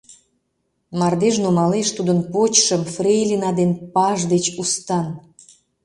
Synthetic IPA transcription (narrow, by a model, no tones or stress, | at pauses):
mɑrd̪eʒnumɑleʃt̪ud̪ənpot͡ɕʃəmfrejlʲinɑd̪enpɑʒd̪et͡ɕust̪ɑn